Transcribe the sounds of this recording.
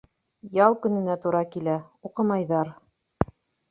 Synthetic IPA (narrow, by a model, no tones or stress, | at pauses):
jɑlˠkɵ̆nɘ̆næt̪uɾɑkilæuqɤ̆mɑjðɑɾ